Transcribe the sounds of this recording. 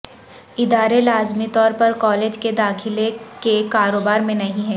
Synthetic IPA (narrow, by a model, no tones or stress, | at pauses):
ɪd̪aːɾelaːzmit̪ɔːɾpɐɾkɔːleːd͡ʒked̪aːxʰɪlekekaːɾoːbaːɾmẽnɐɦĩɦɛ̃ː